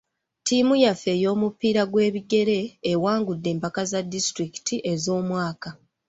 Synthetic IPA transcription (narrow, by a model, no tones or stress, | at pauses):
timujafe̞ːjo̞ːmupiːɾaɡwe̞ːβiɡe̞ɾe̞ːwaːŋɡudːe̞ːmpakazadistɾiki̥tʰiʔe̞zo̞ːmwaːka